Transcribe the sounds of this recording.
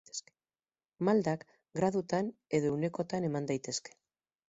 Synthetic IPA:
s | mald̪ak | ɡɾaðut̪ane̞ðo̞une̞ko̞t̪ane̞mand̪ajt̪e̞ske̥

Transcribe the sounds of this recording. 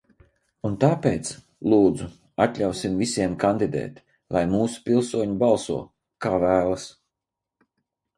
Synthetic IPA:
unt̪aːpeːt̪s | lˠuːd̪zu | at̪ʎʲawsimvisiɛmkand̪id̪ɛ̰ːt̪ | lˠajmuːsu̥pilˠsuɔɲubalˠsṵɔ | kaːvæːlˠas

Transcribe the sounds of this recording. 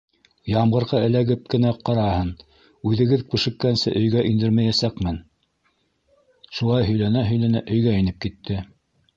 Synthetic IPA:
jɑmʁɤ̆ɾʁɑɘ̆læɡɘp̚kɘ̆næqɑɾɑhɤn | ʉðɘ̆ɡɘðkʉʃɘ̆kːænsɘ̰ʔɵ̆jɡæʔind̪ɘɾmæjæsækmɘn | ʃulˠɑjɦɵ̆jlænæɦɵ̆jlænæʔɵ̆jɡæinɘp̚kit̪ːɘ

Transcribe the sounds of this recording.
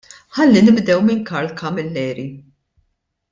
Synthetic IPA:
ħɐlːinɪbd̪ɛwmɪŋkɐɾlkɐmɪlːɛːɾi

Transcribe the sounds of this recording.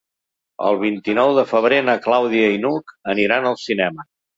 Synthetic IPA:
ə̰lˠβ̞int̪inɔwðəfəβ̞ɾenəklawðiəinukəniɾanəlˠsinɛmə

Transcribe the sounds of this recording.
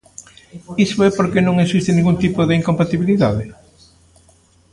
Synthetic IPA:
isoɛpoɾkenõŋeksist̪ɪniŋɡunt̪ipoðɪiŋkompat̪iβiliðaðɪ

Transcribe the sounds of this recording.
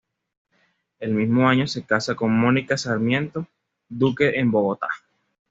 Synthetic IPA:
e̞lmizmo̞aɲo̞se̞kasako̞nmo̞nikasaɾmje̞nt̪o̞ | d̪uke̞ʔembo̞ɣo̞t̪a̰

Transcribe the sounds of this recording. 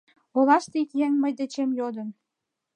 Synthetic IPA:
olɑʃt̪eikjeŋməjd̪et͡ɕemjod̪ə̆n

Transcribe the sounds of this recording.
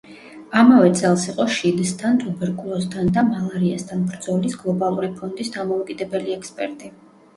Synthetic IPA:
amavɛt̪sʼɛlˠsiqʼɔʃid̪st̪ʰant̪ʼubɛɾkʼulˠɔst̪ʰand̪amalˠaɾiast̪ʰanbɾd̪z̥ɔlisɡlˠɔbalˠuɾipʰɔnd̪isd̪amɔukʼid̪ɛbɛliɛkspʼɛ̰ɾt̪ʼi

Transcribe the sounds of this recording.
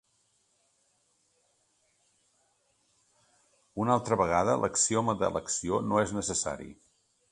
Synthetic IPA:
unalˠt̪ɾəβəɣ̞aðəlʔəksioməðə̰lʔəksionoeznəsəsa̰ɾḭ

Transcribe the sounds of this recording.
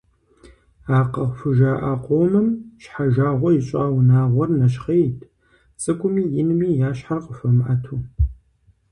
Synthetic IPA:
aːqɐχʷʊfɨʒaʔaːqʷoːmɨmʃħaʒaːʁʷɔjɪɕʼaːwnaːʁʷɔrnɐʃχejtʰʼ | t͡sʼɨkʷʼʊmiːjɪnɨmiːjaːɕħarqʼəfɐmʔatʰuː

